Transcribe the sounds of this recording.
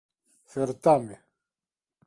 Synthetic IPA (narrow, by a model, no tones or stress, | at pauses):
feɾt̪ame